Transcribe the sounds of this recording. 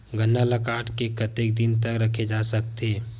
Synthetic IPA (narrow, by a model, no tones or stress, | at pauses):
ɡɐnːalɐkaːʈkekɐt̪eːk̚d̪ɪnt̪̬əkɾɐkʰed͡ʒaːsɐk̚t̪eː